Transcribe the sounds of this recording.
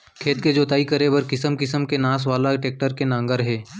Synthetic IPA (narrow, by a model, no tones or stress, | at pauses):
kʰeːt̪̚ked͡ʒoːt̪aːikəɾebɐɾkɪsəmkɪsəmkenãːs̬ʋaːlaʈeːk̚ʈəɾkenãːŋɡəɾɦɛː